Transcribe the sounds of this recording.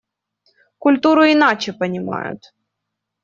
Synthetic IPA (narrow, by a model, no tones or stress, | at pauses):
kʊlʲt̪uɾʊɪnat͡ɕɪpɐnʲɪma̰jʊ̰t̪